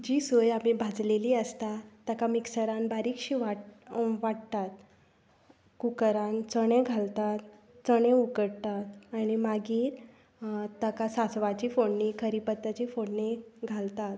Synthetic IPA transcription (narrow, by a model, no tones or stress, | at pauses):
d͡ʑiːsojam̤ibʱad͡zleliːəst̪at̪ːakamiksəɾanbaɾikɕiːʋaʋaʈt̪at̪ | kukəɾãnt͡səɽ̃ẽɡʱalt̪at̪ | t͡səɽ̃ẽukəɽt̪at̪aɽ̃imaɡiːɾ | t̪ːakasat͡sʋat͡ɕiːfoɳːikʰəɾipət̪ːat͡ɕifoɳːiɡʱalt̪at̪